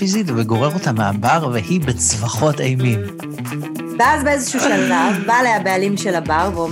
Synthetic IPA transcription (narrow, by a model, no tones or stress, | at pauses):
izitveɡo̞ʁeʁotameabaʁvehibet͡svaχo̞tejmim | bazbeezeʃuuʃalavbalejabealimʃelabaʁveo